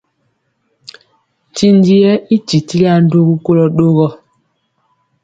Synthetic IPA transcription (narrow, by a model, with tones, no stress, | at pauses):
ti˦ndi˦ɛ˦i˦t͡ʃi˨ti˦la˦n̩˦do˦ɣu˦ko˦lɔ˦ɗo˦ɣɔ˦